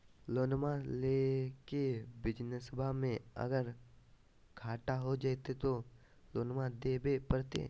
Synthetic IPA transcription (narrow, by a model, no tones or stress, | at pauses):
loːnmaleːkebɪd͡ʒnəsəbʱamẽɐ̰ɡəɾ | kʰaːʈaɦod͡ʒaːt̪et̪o | loːnmad̪ebepəɾt̪ḛ̃